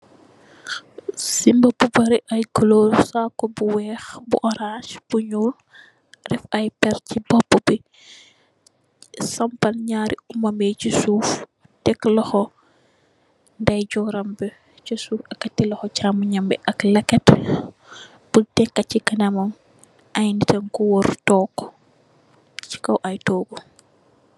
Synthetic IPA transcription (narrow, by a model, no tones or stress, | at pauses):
simbɐbubɐɾiʔɐjkɐloːɾsaːkɔbuwɛːxbṵʔɔɾaʃb̥uɲuːl | rɛfɐjpɛɾcibɔbəbi | sɐmpɐnɲaːɾiumɐmɛt͡ʃisuːf | tɛklɔxɔ | ndɐjɟɔɾambɛ | t͡ʃɐsufɐkːatːilɔxɔt͡ʃamuɲambɛʔɐklɐkːɛt | b̥ultɛkːacːikɐnamɐm | ʔajnitɐŋkɔwɔɾtɔːkːɔ̥ | t͡ʃi̥kɐwʔajtɔːɡu